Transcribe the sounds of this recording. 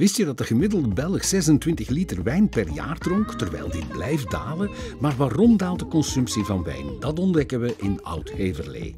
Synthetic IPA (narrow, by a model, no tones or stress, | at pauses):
ʋɪstjədɑt̚dəɣəmɪdəlˠdəbɛlˠəxsɛzəntʋɪntəxlitərʋɛjnpɛrja̰ːrdrɔŋktərʋɛ̰jlˠdiblɛjf̚da̰ːləmaːrʋaːrɔmdaːlˠtdəkɔnsɵmpsivɑnʋɛ̰jnd̥ɑtɔndɛkəʋəʔɪnʌ̰wtheːvərlḛː